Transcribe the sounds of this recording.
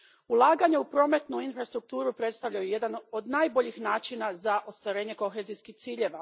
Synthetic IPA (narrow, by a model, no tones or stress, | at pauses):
ulˠaːɡaɲeupɾo̞me̞t̪nuinfɾast̪ɾuk̚t̪uːɾupɾet̪st̪aʋʎajuje̞d̪ano̞d̪naːjboʎixnaːt͡ʃinazaʔo̞st̪ʋaɾe̞ːɲe̞ko̞xe̞zijskixt̪siːʎe̞ʋa